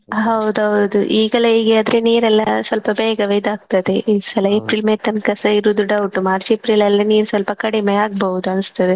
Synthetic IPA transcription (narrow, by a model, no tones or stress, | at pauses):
ɦɐwud̪uɦɐwd̪uʔiːɡɐleiːɡeɐd̪ɾeniːɾɐlːɐsʋɐlpɐbeːɡɐʋeːd̪aːɡ̚t̪ɐd̪eisɐlɐepɾiːlmeːt̪ɐnkɐsɐiɾud̪uɖɐʋuʈːumaːɾt͡ʃepɾilɐlːɐniːɾsʋɐlpɐkɐɽimeaːɡ̚bɐɦud̪uɐnst̪ːɐd̪e